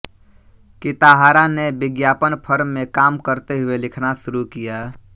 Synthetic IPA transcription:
kɪt̪aɦaːɾanebɪɡjaːpənpʰəɾmːẽkaːmkəɾt̪eɦʊelɪkʰnaʃʊɾukijaː

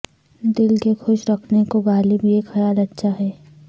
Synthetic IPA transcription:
d̪ɪlkexʊʃɾɐkʰnekoɡaːlibʱieːkxɐjaːlɐtːʃʰaɦɛː

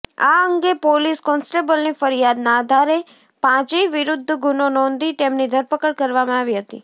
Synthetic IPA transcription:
a̰əŋɡepoliskɔnsʈebəlnifəɾijad̪naːd̪ʱaɾe | pãt͡ʃiʋɪɾʊd̪ʱːɡʱunonɔ̃nd̪ʱit̪emnid̪ʱəɾpəkəɽkəɾʋamãaʋiɦət̪ḭ

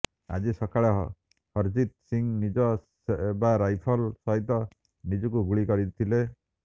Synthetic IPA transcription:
a̰d͡ʒisɔkʰaɭɔɦɔ̰ | hɔɾd͡ʒit̪̚siŋnid͡ʒɔ | ebaɾajpʰɔlsɔɦit̪ɔ | nid͡ʒɔkuɡuɭikɔɾit̪ʰile

